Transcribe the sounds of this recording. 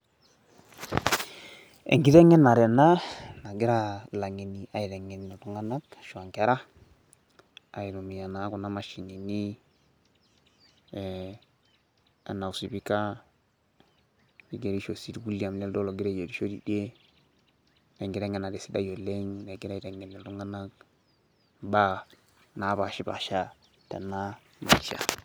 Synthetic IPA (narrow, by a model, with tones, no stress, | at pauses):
ḛ˨ŋɡi˦tɛ˦ŋɛ˦na˨ɾɛ˨na˦na˨ɡi˦ɾa˦la˨ŋi˨ni˨ʔa˨i˨ɾɛ˨ŋɛ˨n˨nɔ˨tu˦ŋa˦na˦kʃu˨a˨ŋke˦ɾa˦ | a˨i˨ɾu˨mi˨ja˨na˨˦ku˨na˦ma˨ʃi˨ni˨ni˦ | a̰˨nːa˨u˨si˨bi˦ka˦ | i˨ɡe˨ɾi˦ʃo˨si˦dɡu˦li˦a˨mni˦ldo˦lo˨ɡi˦ɾe˦je˨di˦ʃo˦di˨de˦ | ne˨ŋɡi˨ɾe˦ŋe˨na˨de˨si˦da̰˦jo˨lːe˦ŋne˨ɡi˦ɾa˦˨te˨ŋɡe˨nːi˨ltu˦ŋa˦na˦k | ba˦ | na˨˦ba˨ʃi˦ba̰˨ʃa˦ | tḛ˨nːa˦ | ma˨ʃa̰˨